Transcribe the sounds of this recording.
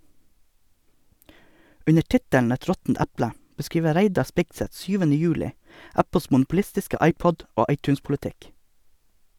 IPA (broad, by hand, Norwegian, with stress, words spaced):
ˈʉnə ˈʈɪtæɳ ˈɛt ˈɾɔtn̩t ˈæplə bəˈskɾiːʋə ˈɾæɪdɑ ˈspɪɡsɛt ˈsyːʋn̩ə ˈjʉːlɪ ˈæpl̩s mʊnʊpʊˈlɪstɪskə ˈɑɪˌpɔd ˈoː ˈɑɪˌtʉːnspʊlɛˌtɪk